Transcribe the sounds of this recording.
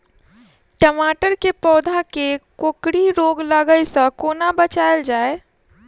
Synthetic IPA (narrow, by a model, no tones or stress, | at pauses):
ʈəmaːʈəɾkepɔːd̪ʱakekoːkɽiɾoːɡləɡəjsə̃koːnabət͡ʃaːəld͡ʒaːe